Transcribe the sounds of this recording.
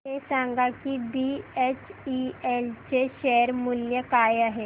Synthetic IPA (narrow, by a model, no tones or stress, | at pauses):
esãŋɡakiɖiet͡ɕielt͡ɕeɕeɾmuljəkajaɦe